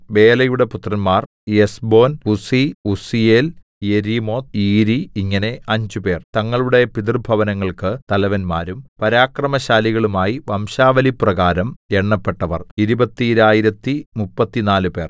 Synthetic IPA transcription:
ʋe̞ːlɐjuɽe̞put̪rɐnmaːr | esbo̞ːnusiusiel | jeɾimo̞ːt̪iːɾiiŋːɐne̞ɐɲd͡ʑupe̞ːrt̪ɐŋːɐɭuɽe̞pid̪irbʱɐʋɐnɐŋːɐɭkɨt̪ɐlɐʋɐnmaːɾumpɐɾaːkrɐmɐɕaːliɣɐɭumaːjiʋɐmɕaːʋɐliprɐɣaːɾɐmeɳːɐpːe̞ʈːɐʋɐ̰riɾubɐt̪ːiɾaːjiɾɐt̪ːimupːɐt̪ːinaːlupe̞ːr

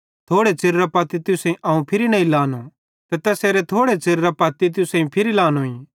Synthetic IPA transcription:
t̪ʰoːɽet͡ʃɪɾɾapɐt̪it̪ɪsɐ̃ĩʔɐːũpʰɪɾinɐĩlaːno | t̪ɛt̪ɛːseːɾet̪ʰoːɽet͡ʃɪɾɾapɐːt̪it̪̬ʊsẽĩpʰɪɾilaːnoĩ

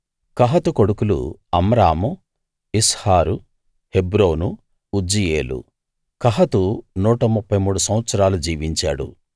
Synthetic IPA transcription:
kɐɦɐt̪uko̞ɽukulṵɐmɐɾaːmu | ishaːɾu | hebɾoːnuː | d͡ʒijeːlṵ | kɐɦɐt̪unuːʈɐmupːɐjmuːɽusɐmʋɐt̪sɐɾaːlud͡ʒiːʋiɲt͡ʃa̰ːɽṵ

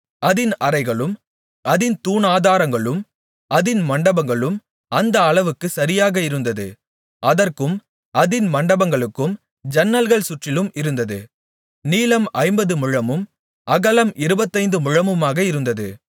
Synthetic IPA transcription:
ɐðɪnʔɐɾɐɪɣɐɭɯm | ʔɐðɪnt̪uːnaːðaːɾɐŋɡɐɭɯm | ɐðɪnmɐɳɖɐbɐŋɡɐɭɯm | ɐnd̪ɐːɭɐʋɯkːɯsɐɾɪjaːɣɐɪɾɯnd̪ɐðɯ̰ | ʔɐðɐrkɯm | ʔɐðɪnmɐɳɖɐbɐŋɡɐɭɯkːɯm | d͡ʒɐnːɐlɣɐɭsʊʈrɪlɯmɪɾɯnd̪ɐðɯ | niːlɐmʔɐɪmbɐðɯmʊɻɐmɯm | ʔɐɣɐlɐmɪɾɯbɐt̪ːɐɪnd̪ɯmʊɻɐmɯmaːɣɐɪɾɯnd̪ɐðɯ

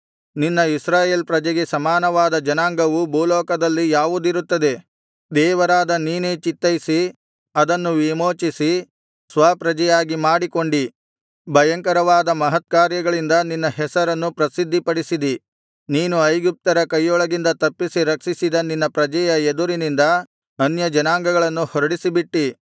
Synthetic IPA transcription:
ninːɐisɾaːje̞ːlpɾɐd͡ʒɐɡe̞sɐmaːnɐʋaːd̪ɐd͡ʒɐnaːŋɡɐʋubʱuːlɔːkɐd̪ɐlːijaːʋud̪iɾut̪ːɐd̪e̞ | d̪ɛːʋɐɾaːd̪ɐniːne̞ːt͡ʃit̪ːɐjisi | ɐd̪ɐnːuʋimoːt͡ʃisi | sʋaːpɾɐd͡ʒɐjaːɡimaːɽiko̞ɳɖi | bʱɐjɐŋkɐɾɐʋaːd̪ɐmɐɦɐt̪̚kaːɾjɐɡɐɭind̪ɐninːɐɦɛsɐɾɐnːupɾɐsid̪ʱːipɐɽisid̪i | niːnuɐjɡip̚t̪ɐɾɐkɐjːɔɭɐɡind̪ɐt̪ɐpːisiɾɐkʂisid̪ɐninːɐpɾɐd͡ʒɐjɐed̪uɾinind̪ɐ | ɐnjɐd͡ʒɐnaːŋɡɐɡɐɭɐnːuhɔɾɐɽisibiʈːi

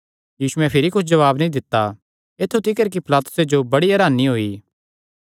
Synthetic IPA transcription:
jiːʃuɛ̃pʰɪɾikʊt͡ʃʰd͡ʒɐʋaːbnĩd̪ɪt̪ːa | eːt̪ʰːut̪ɪkəɾk̬ipʰɪlaːt̪ʊ̥sed͡ʒobɐɽiɐɾaːniɦoːiː

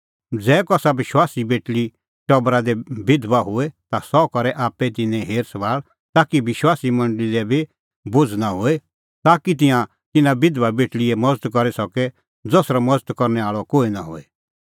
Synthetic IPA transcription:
d͡zɛːkɔsabɪʃwaːsibeːʈli | ʈɔbɾad̪ebɪd̪ʋaɦʊet̪asɔkɔɾɛʔaːpɛt̪ɪnɛ̃ɦeːɾsəʋaːɭ | t̪aːkiʋɪʃwaːsimɐ̃ɳɖəliɾɛbʱi | bʊd͡zʱnaɦʊe | t̪aːkit̪̬ɪ̃jã | t̪ɪnãbɪd̪ʋabeːʈliɛmɐd͡zət̪kɔɾɛsɔkɛ | d͡zɔsɾamɐd͡zət̪kɔɾnɛaːɭɔkoːinaɦʊ̰e

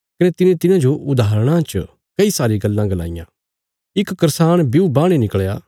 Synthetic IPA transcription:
kɐnet̪ɪnẽt̪ɪnãd͡ʒoʔʊd̪ʱaːɾəɽ̃ãt͡ʃ | kɐisaːɾiɡɐlːãɡɐla̰ːɪjã̰ | ɪkkɐɾsaːɽ̃biubaːɽ̃enɪkɭjaː

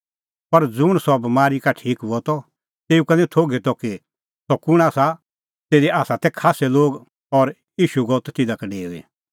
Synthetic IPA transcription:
pɐɾd͡zʊɽ̃sɔbmaːɾikaʈʰiːkɦuɔt̪ɔ | t̪eːukɐnɛ̃t̪ʰoːɡet̪ɔki | sɔkʊɽ̃aːsa | t̪eːɾiaːsat̪ɛkʰaːsɛloːɡ | ɔɾ | jiːʃuɡɔt̪t̪ɪd̪akeɖeːuḭ

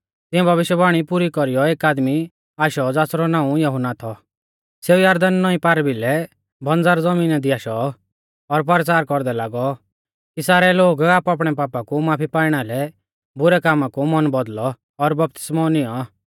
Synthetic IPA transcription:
t̪ɪɛ̃bʱɐʋɪʃjəbaːɽ̃ipuɾikɔɾijɔeːkaːd̪mi | aːʃɔd͡zaːsɾɔnãːũjɔɦʊnat̪ʰɔ | seːujaːɾd̪ənːɔĩpaːɾbilɛ | bʱɐnd͡zaːɾd͡zɐmiːnad̪iaːʃɔ | ɔɾp̬ɐɾt͡saːɾkɔɾd̪ɛlaːɡɔ | kisaːɾɛloːɡaːpaːp̬ɽ̃ɛpaːpakumaːpʰipaːɪɽ̃alɛ | bʊɾɛkaːmãkumɔnbɔd̪lɔː | ɾbɐp̚t̪ɪ̥smɔnɪɔ

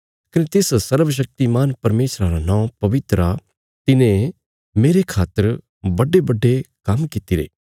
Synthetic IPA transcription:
kɐnet̪ɪssɐɾʋəʃ̬ɐk̚t̪imaːnpɐɾmeːʃɾaɾanãɔ̃pɐʋɪt̪ɾa | t̪ɪnẽ | meːɾekʰaːt̪ːəɾ | bɐɖebɐɖːekɐmkɪt̪iɾḛː

